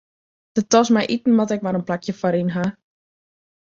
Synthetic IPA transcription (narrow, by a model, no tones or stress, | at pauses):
d̥ətɔsmɛjʔitn̩ʋɔtɛkʋaɾənplakʰjəfɔɾinɦa